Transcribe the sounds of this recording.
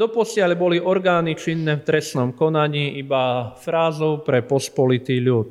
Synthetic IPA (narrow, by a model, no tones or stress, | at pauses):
d̪ɔpɔsɪaʎbɔliʔɔɾɡaːnit͡ʃinːɛft̪ɾɛsnɔmkɔnaɲiːʔibafɾaːzɔʊpɾɛpɔspɔlit̪iːʎuːt̪